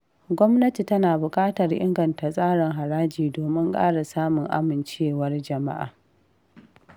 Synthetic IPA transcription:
ɡʷɔ˦mnɐ˦ti˨tɐ˦naː˨bʊ˨kʼaː˦tɐ˨rʔɪ̰˦ŋɡɐ˨nta˨sʼaː˦ɽɪ˨ŋɦa˨ɽaː˦d͡ʒiː˨doː˨mɪ˦ŋkʼa̰ː˦ɽa˨saː˦mʊ˨ŋʔa̰˦mɪ˨nt͡ʃeː˦wɐ˦rd͡ʒɐ˨ma̰˦ʔa̰ː˨

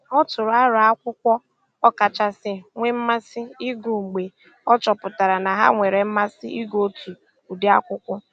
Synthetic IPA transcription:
ɔ˦tʊ˨ɾʊ˨˦a˦ɾʊ˨a˦kʷʊ˦kʷɔ˦ | ɔ˦ka˨t͡ʃa˦sɪ˦ŋʷe˦m̩˦ma˦sɪ˦i˦ɡu˨ŋ͡m̩˨ɡ͡be˨ | ɔ˦t͡ʃɔ˨pʊ˨ta˨ɾa˨na˨ɦa̰˦ŋʷe˨ɾe˨m̩˦ma˦sɪ˦i˦ɡo˦tu˨ | u˨de˦a˦kʷʊ˦kʷʊ˦

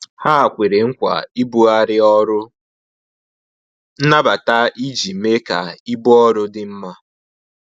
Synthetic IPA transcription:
ha˦a˨kʷe˨ɾe˨ŋ̩˦kʷa̰˨i˦bu˦a˦ɾɪ˦ɔ˦ɾʊ˦ | n̩˦na˦ba˨ta˦i˦d͡ʒi˨me˦ka˨i˦bu˦ɔ˦ɾʊ˦dɪ˦m̩˦ma˦

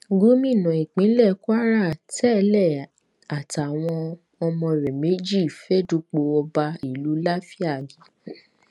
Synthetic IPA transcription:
ɡu˦mĩ˦˨nã˨i˨k͡pĩ˨˦lɛ˦˨kʷa˦ɾa˦˨tɛ˦lɛ˦˨ | a˨ta˨w̃ɔ̃˧ | ɔ˧mɔ̃˧˨ɾɛ˨me˨˦d͡ʒi˦˨fɛ˦du˧˦k͡po˧ɔ˧ba˧i˨lu˨˦la˦fi˦a˦˨ɡi˨˦

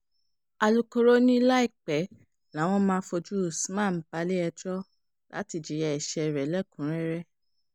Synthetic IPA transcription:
a˧lu˧ko˧ɾo˦nĩ˦la˦i˦˨k͡pɛ˨˦ | la˨˦w̃ɔ̃˦mãː˦fo˧d͡ʒu˦˨smã˦˨m̩˨˦ba˧˦le˦ɛ˧d͡ʒɔ˦ | la̰˨˦ti˨d͡ʒi˨˦jɛ˧ɛ˨ʃɛ˨˧˨ɾɛ˨˦lɛ˦˨kũ˨˦ɾ̃ɛ˦ɾɛ˦

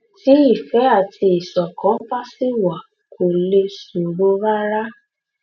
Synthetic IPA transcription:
ti˨˦i˦˨fɛ˨˦a˦˨ti˧i˨sɔ˨kɔ̃˨˦fa˦si˦wa˨ | kʰo˨le˧su˨ɾo˨˦ɾa˦ɾa˦

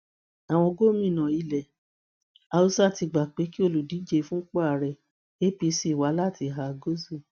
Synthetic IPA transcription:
a˨w̃ɔ̃˧ɡo˦mĩ˦˨nã˨i˧˨lɛ˨ | a˧o˧sti˧ɡ͡ba˨k͡pe˨˦ki˦o˦˨lu˨di˨˦d͡ʒe˧˦fũ˦k͡pa˦a˨ɾɛ˨ | e˦pi˧si˦˨wa˨˦la˦˨ti˧˦ɦa˧ɡo˦zu˦˨

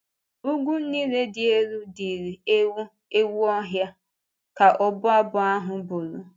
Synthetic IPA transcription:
u˦ɡʷu˦n̩˦ni˦le˦dɪ˨e˦ɾu˦di˨ɾi˨˦ | e˦wu˦ɔ˦ɦja˦ | ka˨ʔɔ˦bʊ˦a˦bʊ˨a˦ɦʊ˨bʊ˨ɾʊ˨

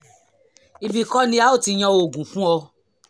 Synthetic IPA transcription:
i˧bi˨kɔ˦nĩ˧˦a˦o˦˨ti˧j̃ɔ̃˧oo˨ɡũ˨fũ˦ɔ˧

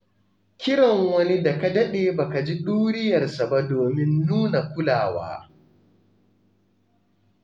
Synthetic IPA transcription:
kʲɪ˦ɽɐ˨ŋwɐ˦ni˦da˨ka˦dɐ˦ɗeː˨ba˨ka˨d͡ʒi˦ɗuː˦ɽɪ˦jɐ˨rsa˨ba˦doː˨mɪ˦nːuː˦na˨kʷʊ˦laː˨wa̰ː˦

